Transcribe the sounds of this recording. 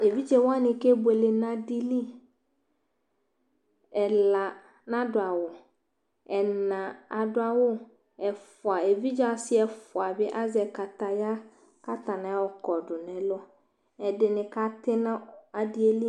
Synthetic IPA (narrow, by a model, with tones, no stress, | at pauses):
e˨vi˦d͡ʒɛ˨wa˦nɪ̃˨ke˦be˨le˨nã˨di˨li˦ | ɛ˨la˨ | nã˦dʊ˨a˨wʊ˨ | ɛ˨nã˨a˨dʊ˦a˨wʊ˦ | ɛ˨fʊ˨a˨e˨vi˦d͡ʒa˦sɪ˦ɛ˨fʊ˨a˨bɪ˦ʔa˦zɛ˨ka˨ta˨ja˦ | ka˦ta˨nã˨˦wɔ˨kɔ˨dʊ˨nɛ̃˨lɔ˦ | ɛ˨dɪ˨nɪ̃˨ka˦tɪ˦nã˦a˨dɪ˦e˦li˦